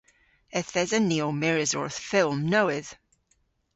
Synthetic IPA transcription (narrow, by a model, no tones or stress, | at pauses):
əθɛzəniomɛɹɪzɔ̰ɹθfɪlˠmnoʊɪð̥